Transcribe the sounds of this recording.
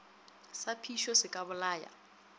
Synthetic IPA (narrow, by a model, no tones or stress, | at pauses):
sapʰiʃɔsɪkʼaβʊlaːja̰